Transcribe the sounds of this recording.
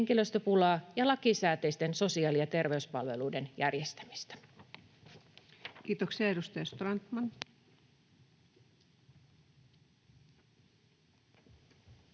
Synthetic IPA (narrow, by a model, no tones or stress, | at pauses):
ŋkiløst̪øpulɑːjɑlɑkisæːt̪e̞jst̪e̞nsosiɑːlijɑt̪e̞rʋe̞yspɑ̰lʋe̞luide̞njæ̰rjest̪æ̥mi̥st̪æ̥ | kiːt̪oksiɑedust̪ɑjɑst̪rɑnt̪mɑn